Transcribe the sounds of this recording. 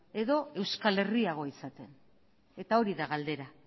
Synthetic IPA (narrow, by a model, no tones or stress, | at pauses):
e̞ðo̞e̞wskale̞riaɣ̞o̞isat̪en | e̞t̪ao̞ɾiðaɣald̪e̞ɾa